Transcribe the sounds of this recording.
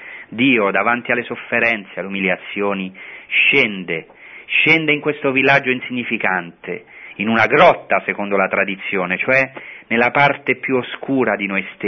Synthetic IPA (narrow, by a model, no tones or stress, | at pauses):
d̪iːod̪avant̪ialːesofːeɾɛnt̪sealːumiljat̪sːjoːniʃɛnd̪e | ʃɛnd̪eiŋkwest̪ovilːad͡ʒːoinsiɲːifikant̪ḛinunaɡɾɔt̪ːasekond̪olat̪ɾad̪it̪sːjoːnet͡ʃoɛnelːapart̪epjuoskuːɾad̪inojst̪